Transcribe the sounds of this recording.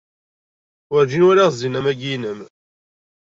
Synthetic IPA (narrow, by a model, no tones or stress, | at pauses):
ʊɾd͡ʒinwæɾaʁzinæmæɡinəm